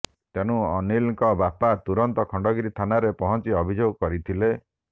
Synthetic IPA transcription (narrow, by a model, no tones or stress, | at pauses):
t̪eñũɔnilŋkɔbapat̪uɾɔnt̪ɔkʰɔɳɖɔɡiɾit̪ʰanaɾepɔɦɔnt͡ʃiɔbʱid͡ʒoɡɔkɔɾit̪ʰile